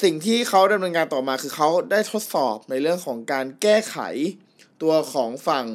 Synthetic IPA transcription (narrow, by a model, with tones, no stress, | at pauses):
si˨˩ŋt̪ʰiː˥˩kʰa˦˥wda˧mnɤː˧nkaː˧nt̪ɔː˨˩maː˧kʰɯː˧xʰa˦˥wdaː˥˩jt̪ʰo˦˥t̪̚sɔː˨˩p̚na˧jɾɯ˥˩əŋkʰɔː˩˦ŋkaː˧nkɛː˥˩kʰa̰˨˩˦j | t̪u˧ɐkʰɔː˩˦ŋfa˨˩ŋ